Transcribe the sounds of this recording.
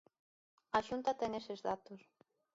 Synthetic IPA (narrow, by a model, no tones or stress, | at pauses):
aʃunt̪ɐt̪ɛŋesezðat̪os